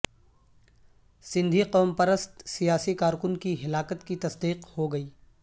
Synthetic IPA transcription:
sɪ̃nd̪ʱiqɔːmpɐɾəst̪sijaːsikaːɾkʊnkiɦɪlaːkət̪kit̪ɐsd̪iːqhoɡɐiː

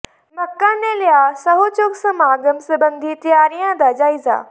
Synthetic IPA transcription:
mɐkːanelɪjaːsɐɦot͡ɕoksɐmaːɡ̪əmsəbɐ̃nd̪ʱit̪ijaːɾijãd̪ad͡ʑaːiza̰ː

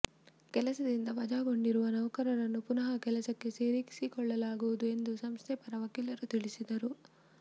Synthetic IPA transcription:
kɛlɐsɐd̪ind̪ɐʋɐd͡ʒaːɡo̞ɳɖiɾuʋɐnɐʋɐkɐɾɐɾɐnːupunɐɦɐkɛlɐsɐkːe̞seːɾiki̥sikɔɭːɐlaːɡuʋud̪ue̞nd̪usɐmst̪ʰɛpɐɾɐʋɐkilɐɾut̪iɭisid̪ɐɾu

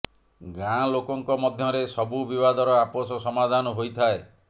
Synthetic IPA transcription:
ɡãlokɔŋkɔmɔd̪ʱjɔɾesɔbubibad̪ɔɾɔaposɔsɔmad̪ʱanɔɦojt̪ʰae

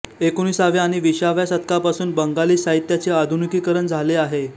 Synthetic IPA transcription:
ekoñiːsaʋeaɽ̃iʋiɕaʋjasət̪kapasuːnbəŋɡaliːsaɦit̪jat͡sead̪ʱunikiːkəɾəɳd͡zʱaleaɦe

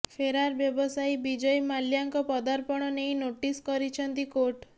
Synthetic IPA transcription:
fʰeɾaɾbjɔbɔsajbid͡ʒɔjmaljaŋkɔpɔd̪aɾpɔɽ̃ɔneĩnoʈiskɔɾit͡ʃʰɔnt̪ikoʈ

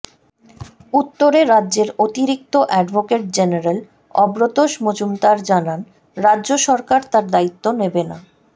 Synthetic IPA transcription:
ut̪ːoɾeɾadːʑeɾot̪iɾik̚t̪oʔɛɖbʱokeʈ̚d͡ʑeneɾel | ɔbɾot̪oʃmod͡ʑumt̪aɾd͡ʑanan | ɾadːʑoʃɔɾkaɾt̪aɾd̪ait̪ːonebena̰

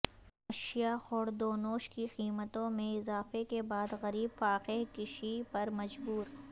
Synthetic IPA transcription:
ɐʃijaxɔːɽd̪oːnoːʃkixiːmət̪õmẽɪzaːfekebaːd̪ɣɐɾiːbfaːqɪɦkɪʃipɐɾmɐd͡ʒbuːɾ

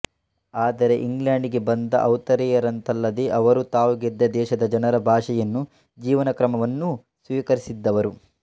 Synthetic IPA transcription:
aːd̪ɐɾe̞ʔiŋɡljaːɳɖiɡe̞bɐnd̪ɐ̰ʔɐwt̪ɐɾɛjɐɾɐnt̪ɐlːɐd̪eʔɐʋɐɾut̪aːʋuɡed̪ːɐd̪ɛːʃɐd̪ɐd͡ʒɐnɐɾɐbʱaːʂɐjɐnːu | d͡ʒiːʋɐnɐkɾɐmɐʋɐnːu | sʋiːkɐɾisid̪ːɐʋɐɾu

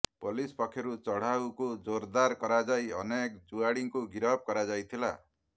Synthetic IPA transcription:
polispɔkʰːjɔɾut͡ʃɔɽ̤awkud͡ʒoɾd̪aɾkɔɾad͡ʒajɔ̰nekd͡ʒuaɽiŋkuɡiɾɔb̚kɔɾad͡ʒajt̪ʰila̰

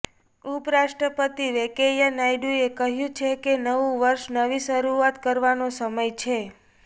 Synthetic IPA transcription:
upɾaʃʈɾəpət̪iʋekejanajɖuekəɦjũt͡ʃʰekenəʋũʋəɾʃnəʋiʃəɾuat̪kəɾʋanosəməjt͡ʃʰe

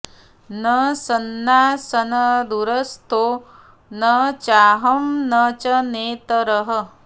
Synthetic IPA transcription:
nɐsɐnːaːsɐnɐd̪uɾɐst̪ʰoː | nɐt͡ʃaːɦɐmnɐt͡ʃɐneːt̪ɐɾɐɦɐ

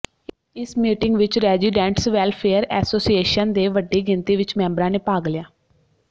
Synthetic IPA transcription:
ɪsmiːʈɪŋɡʋɪt͡ʃɾɛːziɖɛ̃ːɳʈsʋɛːlpʰeːəɾɛ̰ːsoːsieːʃənd̪eːʋəɖːiːɡɪnt̪iːʋɪt͡ʃmɛ̃ːmbəɾãːneːpaːɡlɪjaː

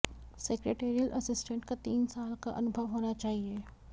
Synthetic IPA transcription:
seːkɾeːʈeːɾiəlʔɐsɪsʈə̃ɳʈkat̪iːnsaːlka̰ʔɐ̰nʊbʱəʋɦoːnat͡ʃaːɦieː

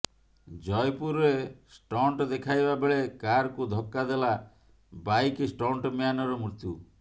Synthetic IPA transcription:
d͡ʒɔjpuɾesʈɔɳʈɔd̪ekʰajbabeɭekaɾɔkud̪ʱɔkːad̪ela | bajkisʈɔɳʈɔmijanɔɾɔmɾit̪ju

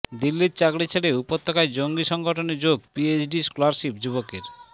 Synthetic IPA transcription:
d̪ilːiɾt͡ɕakɽit͡ɕʰeɽeupot̪ʰːokaed͡ʑoŋɡiʃɔŋɡʱoʈoned͡ʑoɡpiet͡ɕʰɖiskolaɾʃipd͡ʑuβokeɾ

